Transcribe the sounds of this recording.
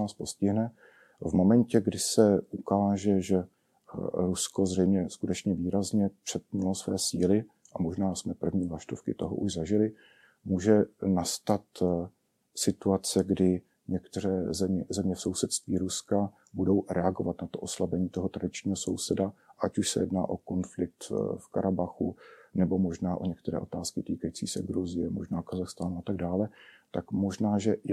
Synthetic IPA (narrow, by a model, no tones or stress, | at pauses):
aːspo̞scɪɦnɛ | vmo̞mɛncɛɡdɪsɛʔukaːʒɛʒɛ | ɾusko̞zrɛjmɲɛskut̪ɛt͡ʃɲɛviːɾazɲɛpr̝̥ɛt̪̚ɲulosvɛːsiːlɪ | ʔamoʒnaːsmɛpr̩vɲiːvlaʃt̪ofkɪt̪oɦo̰ʔuʒzaʒɪlɪ | muːʒɛnast̪at̪ | sɪt̪uat͡sɛɡdɪ | ɲɛkt̪ɛɾɛːzɛmɛzɛmɲɛfso̞wsɛt̪st̪viːɾuska | budo̞wɾʔɛaɡovat̪nat̪oʔo̞slabɛɲiːt̪o̞ɦot̪ɾadɪt͡ʃɲiːɦo̞so̞wsɛdaʔacuʃsɛ̰jɛdnaːʔo̞ko̞nflɪk̚t̪fkaɾʔabaxunɛbo̞mo̞ʒnaːʔo̞ɲɛk̚t̪ɛɾɛ̰ːʔo̞t̪aːskɪt̪iːkajiːt͡sḭːsɛ̰ɡɾuzɪjɛmo̰ʒnaːkazaxst̪aːnuat̪aɡdaːlɛt̪akmo̞ʒnaːʒɛ